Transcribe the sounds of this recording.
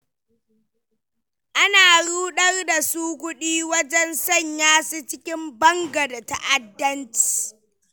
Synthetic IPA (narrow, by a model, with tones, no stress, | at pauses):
ʔa˦naː˨ɽuː˦ɗɐ˦rda˨suː˦kʷʊ˦ɗiː˦wɐ˦d͡ʒɛ˦nsɐ˦˨ɲjaː˦si˦t͡ʃɪ˦kʲɪ˦mbɐ˦ŋɡa˨da˨ta˦ʔa˨dːɐ˦nt͡ʃi̥˨